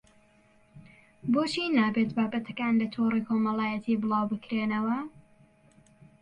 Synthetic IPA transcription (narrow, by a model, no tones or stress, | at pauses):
bot͡ʃinaːbeːt̪baːbɐt̪ʰɐkaːnlɐt̪ʰorikʰoːmɐlaːjɐt̪ʰiːbɨlˠɑwbɨkɾeːnɐwɐ